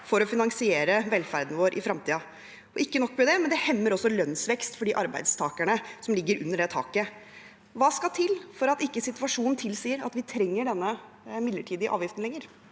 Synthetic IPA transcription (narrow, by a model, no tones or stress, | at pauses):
fɔɾɔfɪnɑŋsɪeːɾəʋɛlfæɾd̪nəʋoːɾʔɪ̰fɾɑmt̪ʰiːɑ | ɔɪkːənɔkːʋɛd̪ɛmɛnd̪ɛhɛmːəɾɔsːɔlœnsʋɛkst̪fɔɖiːʔɑɾbæ̰ɪd̪st̪ʰɑːkæɳəsɔmlɪɡːəɾʉnːəɖɛt̪ʰɑ̰ːkə | ʋɑːskɑt̪ʰɪlfɔɾɑt̪ɪkːəsɪt̪ʉɑʂuːnn̩t̪ʰɪlsiːəɾɑ̰t̪ʋɪt̪ʰɾɛŋːəɖɛnːə | mɪd̪ləʈʰiːd̪ɪʔɑ̰ːʋjɪft̪n̩lɛŋːəɾ